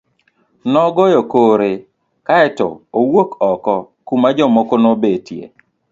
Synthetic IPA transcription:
nɔɡɔjɔkoɾe | kaɛtɔ̰owokɔkɔ | kumad͡ʒɔmokonobetjḛ

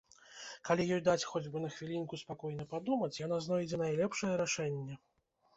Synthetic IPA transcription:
kalʲijɔjd̪at͡sʲxɔd͡zʲbɨnɐxvʲilʲinkuspakɔjnɐpad̪umɐt͡sʲjanaznɔjd͡zʲɛnajlʲɛpʂɐjɛɾaʂɛnʲːɛ

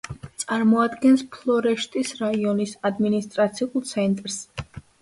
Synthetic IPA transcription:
t̪sʼaɾmɔad̪ɡɛnspʰlˠɔɾɛʃt̪ʼisɾaiɔnisad̪minist̪ʼɾat̪sʰiulˠt̪sʰɛnt̪ʼɾs

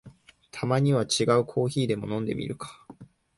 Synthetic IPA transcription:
t̪ʰamaɲ̟iβat͡ɕiɡaɯ̟kʰo̞ːçiːd̪e̞mo̞nõ̞nd̪e̞̰mʲḭɾɯ̟kḁ

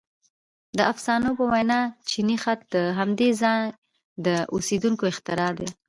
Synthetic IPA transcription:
d̪əafsɑnopəwajnɑt͡ʃinixat̪̚d̪əɦamd̪ezɑn | d̪əʔosed̪uŋkoɪxt̪ɪɾɑd̪e

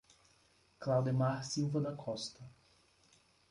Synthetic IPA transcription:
klawd̪emaɾsiwvɐd̪ɐkʰɔst̪ɐ

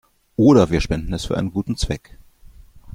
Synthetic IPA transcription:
ʔoːɾɐviːɐʃpɛndn̩ɛsfyːɐʔa̰ɪnənɡuːtn̩t͡sv̥ɛ̰k

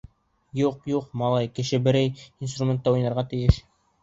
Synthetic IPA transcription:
juqjuqmɑlˠɑjkɘ̆ʃɘbɘ̆ɾæjinst̪rumʲent̪ːɑujnɑɾʁɑt̪ɘ̆jɘʃ

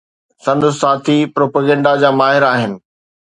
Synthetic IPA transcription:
sɐ̃nd̪saːt̪ʰipɾoːpəɡɛ̃ɳɖad͡ʑaːmaːɦɪɾaːɦɪnɪ̆

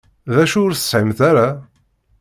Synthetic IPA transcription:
ðæʃʊɾθə̥sħimθæɾa

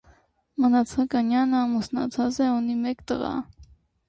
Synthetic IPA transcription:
mənɑt͡sʰɑkɑnjɑnəɑmusnɑ̰t͡sʰɑt͡sɛunimɛkt̪ə̰ʁɑ̰

